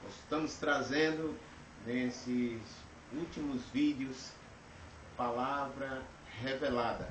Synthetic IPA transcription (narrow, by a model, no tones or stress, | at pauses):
ost̪ɐ̃mʊst̪ɾazẽnd̪ʊ | nesɪs | ut̪imʊzvid̪jʊs | palavɾɐ | ɦevelad̪ɐ̰